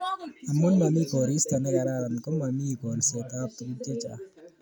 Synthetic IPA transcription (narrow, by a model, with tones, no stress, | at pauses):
a˨mːu˦nma˨mi˦ɡɔ˨ɾi˦st̪a˨nɛ˦ka˨ɾa˦a˨nkɔ˦mːa˨mi˦˨ɡɔ˨lse˨t̪a˦p̚t̪u˨mu˦ke˦t͡ʃa̰˨